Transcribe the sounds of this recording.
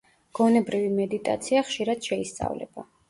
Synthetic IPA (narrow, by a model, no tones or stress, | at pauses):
ɡ̥ɔnɛbɾivimɛd̪it̪ʼa̰t̪sʰiaχʃiɾad̪̥ʃɛist̪sʼa̰vlɛ̰b̥a